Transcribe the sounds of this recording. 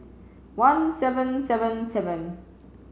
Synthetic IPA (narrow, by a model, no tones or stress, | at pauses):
wãnsɛvə̃nsɛvə̃nsɛvə̃n